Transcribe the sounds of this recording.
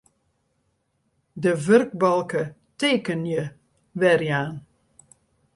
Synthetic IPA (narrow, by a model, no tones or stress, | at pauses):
dəvørk̚bɑlˠkə | teːkənjə | ʋɛrjaːn